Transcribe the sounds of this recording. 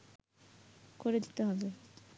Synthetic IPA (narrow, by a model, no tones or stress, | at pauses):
koɾed̪it̪eɦɔbe